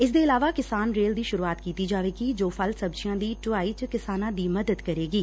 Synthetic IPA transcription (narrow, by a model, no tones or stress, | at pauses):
ɪsd̪eːɪlaːʋaːkɪsaːnɾeːld̪iːʃʊɾuaːt̪kiːt̪iːd͡ʒaːʋeːɡiːd͡ʒoːpʰəlsəbd͡ʒɪjãːd̪iːʈʊaːiːt͡ʃkɪsaːnãːd̪iːməd̪əd̪kəɾeːɡiː